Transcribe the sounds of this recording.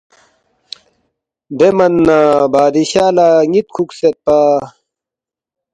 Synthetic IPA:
d̪emɐnːaːbaːd̪iɕaːlaːŋit̪̚kʰukset̪̚paː

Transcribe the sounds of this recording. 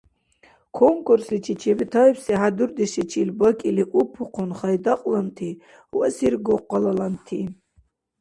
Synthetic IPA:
kʰɔŋkʼuɾsit͡ʃʰit͡ʃʰivit̪ʰaɛpsiɦad̪uɾd̪iʃit͡ʃʰilbɔkʼiliʔupʰuqʰɔnχajd̪aqʼlant̪ʰi | wasiɾɡɔqʼːɔlalant̪ʰi

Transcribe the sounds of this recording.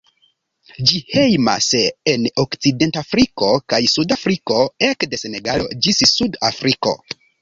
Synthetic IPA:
d͡ʒihe̞jma̰senokt͡side̞ntafɾiko̞kajsudafɾiko̞e̞kde̞se̞ne̞ɡalo̞̰d͡ʒissudafɾiko̞̰

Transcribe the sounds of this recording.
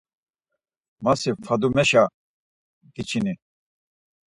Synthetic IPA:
masifʰad̪umɛʃa | d̪it͡ʃʰini

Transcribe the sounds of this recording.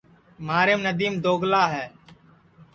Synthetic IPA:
maːɾeːmnəd̪iːmd̪oːɡlaːɦɛː

